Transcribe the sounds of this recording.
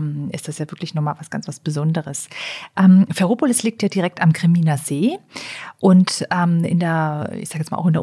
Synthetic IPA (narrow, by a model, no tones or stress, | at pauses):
mʔɪ̰std̥asjaːvɪɐklɪçnɔχmaːlvasɡ̥a̰nt͡sv̥asb̥əzɔndəʁəsʔɛːmfɛɐʁoːpolɪsliːk̚tjaːdiʁɛk̚tamkʁ̥emiːnazeː | ʔʊntɛːmɪ̰ndeːɐɪ̰çzaːɡəjɛt͡smaːlʔʊxɪndeɐ